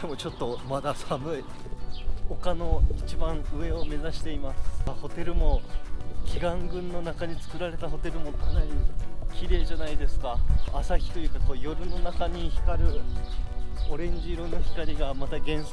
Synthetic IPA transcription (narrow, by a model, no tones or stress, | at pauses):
d̪̥emo̞t͡ɕo̞t̪ːo̞mad̪asamɯ̟i | ho̞kano̞it͡ɕibãɰ̃ɯ̟e̞o̞me̞zaɕi̥t̪e̞imasɨ̥aho̞t̪e̞ɾɯ̟mo̞kʲiɡãŋɡɯ̟̃nːo̞nakaɲ̟it͡sɨ̥kɯ̟ɾaɾe̞t̪aɦo̞t̪e̞ɾɯ̟mo̞kʰanaɲikʲiɾe̞ːʑanaid̪e̞sɨ̥kaasaçʲi̥t̪o̞jʲɯ̟kako̞ːjo̞ɾɯ̟no̞nakaɲ̟içi̥kaɾɯ̟ | o̞ɾẽ̞ɲ̟d͡ʑiɾonːo̞çi̥kaɾʲiɡamat̪aɡẽ̞ɰ̃s